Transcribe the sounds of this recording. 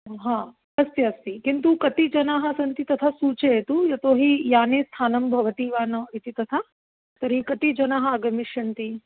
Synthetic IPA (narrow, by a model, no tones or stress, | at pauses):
ɦaː | ɐst̪jɐɐst̪ikint̪ukɐt̪id͡ʒɐnaːɦɐ̆sɐnt̪it̪ɐt̪ʰasuːt͡ʃeet̪ujɐt̪oːɦijaːneːst̪ʰaːnɐmbʱɐʋɐt̪iːʋaːnɐʋit̪it̪ɐt̪ʰa | t̪ɐɾikɐt̪id͡ʒɐnaːɦɐaːɡɐmiʃjɐnt̪i